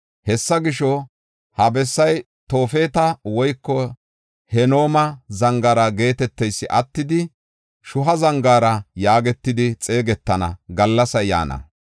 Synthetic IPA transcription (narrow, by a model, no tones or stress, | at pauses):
hɛsːɐɡɪʃɔ | hɐbɛsːɐj | t̪o̞ːfe̞ːt̪ɐwɔjkːɔ | hɛno̞ːmɐzɐŋɡɐːɾɐɡe̞ːt̪ɛt̪ːɛjsːɪʔɐt̪ːɪd̪ɪ | ʃʊɦɐzɐŋɡaːɾɐjaːɡɛt̪ːɪd̪ɪt͡sʼe̞ːɡɛt̪ːɐnɐ̰ɡɐlːɐsɐja̰ːnɐ̰